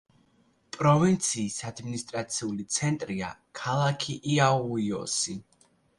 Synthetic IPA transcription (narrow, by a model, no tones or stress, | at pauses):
pʼɾɔvint̪sʰiːsad̪minist̪ʼɾat̪sʰiulit̪sʰɛnt̪ʼɾia̰kʰalˠakʰiʔiauiɔ̰si